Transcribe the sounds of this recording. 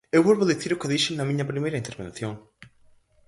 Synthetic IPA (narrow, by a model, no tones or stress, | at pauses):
ewβolβoðiθiɾʊkɪðiʃɪnɐmĩɲɐpɾimejɾɐint̪eɾβḛ̃nθjõŋ